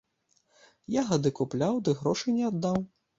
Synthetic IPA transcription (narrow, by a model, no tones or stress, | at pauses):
jaɣɐd̪ɨkuplʲawd̪ɨɣɾɔʂɨnʲɛad̪ːaw